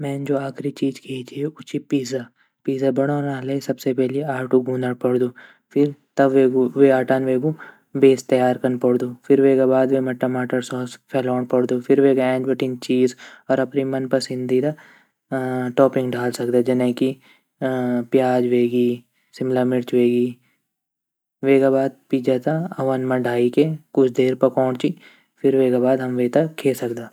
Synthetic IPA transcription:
mɛ̃ːnd͡ʒoːaːkʰɾit͡ʃiːzkʰeːd͡ʒieʊt͡ʃipiːza | piːzabɐɽ̃oːnaːlesɐbsepɛɦliaːbʈuɡuːnaɽpɐɽd̪uː | fʰɪɾt̪ɐbʋeːɡʋeaːʈaːnʋeːɡũ | beːst̪ɐjaːɾkɐnpɐɽd̪uːfʰɪɾʋeːɡabaːd̪ʋemɛʈɐmaːʈəɾsɔːspʰɛːlɔːɳpɐɽd̪uːfʰɪɾʋeːɡaɛ̃ːd͡ʒbɐʈint͡ʃiːzɔːɾɐpnimɐnpɐɾsɪ̃nd̪ʱid̪a | ʈɔːpɪ̃ŋɡɖʱaːlsɐk̚d̪ad͡ʒɐnẽki | pjaːd͡ʒʋeːɡiː | sɪmlamɪɽt͡ʃʋeːɡiː | ʋeːɡabaːd̪̚piːd͡ʒat̪aɐʋɐnmɐ̃ɖʱaːikekʊt͡ʃʰd̪eːɾpɐkɔːɽt͡ʃi | fʰɪɾʋeːɡabaːd̪ɦɐmʋeːt̪akʰeːsɐkd̪aː

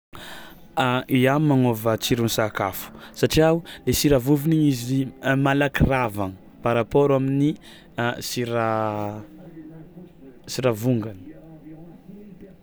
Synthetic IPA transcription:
aiammanovət͡siɾunsakafu̥saʈ͡ʂiawulesiɾavuviniɲiziimalakiravan | paɾapoɾamini | siɾa | siɾavuŋɡani̥

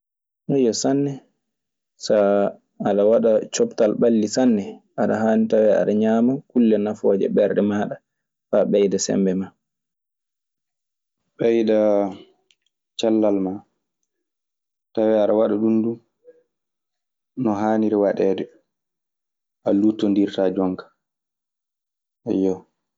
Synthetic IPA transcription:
nɔjɔsanːɛ | saː | ɗawaɗat͡ʃɔptalɓalːisanːɛaɗa̰ɦaːnitawɛa̰ɗaɲaːmakulːɛnafɔːd͡ʒɛ̰ɓɛɾɗɛmaːɗa | faɓɛjdasɛ̰mbɛma | ɓɛjda | t͡ʃalːalma | tawɛaɗawaɗaɗundum | nɔɦaːniɾɛwaɗɛːdɛ | ʔalutːɔndiɾtad͡ʒɔŋkḁ | ɛ̰jɔ

